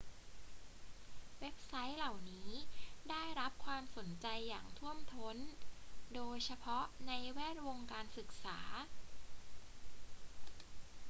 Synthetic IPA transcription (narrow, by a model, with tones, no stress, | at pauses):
we˦˥p̚sa˦˥jla˨˩wniː˦˥daː˥˩jɾa˦˥p̚kʰwaː˧mso˩˦nt͡ɕa˧jːaː˨˩ŋt̪ʰu˥˩əmt̪ʰo˦˥ndoː˧jt͡ɕʰa˧pʰɔ˦˥ʔna˧jwɛː˥˩t̪̚wo˧ŋkaː˧nsɯ˨˩k̚saː˩˦